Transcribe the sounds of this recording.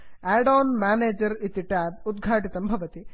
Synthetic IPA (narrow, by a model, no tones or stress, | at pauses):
eːɖoːnmaːneːd͡ʒɐɾit̪iʈaːb̚ud̪ɡʱaːʈit̪ɐmbʱɐʋɐt̪i